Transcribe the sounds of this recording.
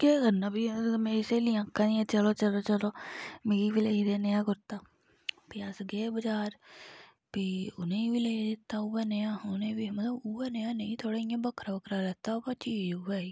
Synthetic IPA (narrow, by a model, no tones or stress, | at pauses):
keːɡənãːbiːmẽːɪseːliãːkːãːniãt͡ʃəloːt͡ʃəloːt͡ʃəloːmeːɾiːbiːleɦiːd̪eːnejãːɡʊɾt̪aː | piːasɡeːbəd͡ʒaːɾ | piːʊ̰nẽiːʋiːleːid̪ɪt̪ːaːuʋɛːnejãːʊnẽːbimət̪ləbuaːnejãːneĩːt̪ʰoːɽaːijãːbəkʰɾaːbəkʰɾaːɾɛːt̪aːopat͡ʃiːd͡ʒʊʋɛːiː